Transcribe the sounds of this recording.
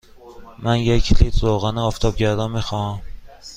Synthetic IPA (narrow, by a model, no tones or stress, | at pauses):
mænjecʰlit̪zoɣænɛɒːft̪ʰɒːbɟæɾd̪ɒnmixɒm